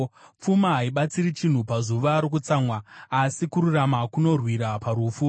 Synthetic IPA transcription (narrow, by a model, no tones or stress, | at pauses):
p͡fumaɦaiɓat͡sirit͡ʃin̤upazuʋaɾok̬ut͡samwaːsikuɾuramakuno̞rwiɾapaɾufu